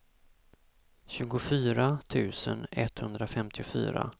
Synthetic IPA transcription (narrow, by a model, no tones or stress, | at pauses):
ɕʉ̟ːɡʊfyːɾat̪ʰʉ̟ːsənɛt̪hɵnd̪ɾafɛmt̪ʰɪʊfy̰ːɾa̰